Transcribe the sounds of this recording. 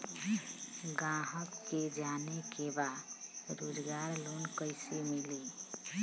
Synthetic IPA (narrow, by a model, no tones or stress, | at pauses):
ɡãɦəkːed͡ʒanekʰebaɾod͡ʒɡaɾlonkəɪsemili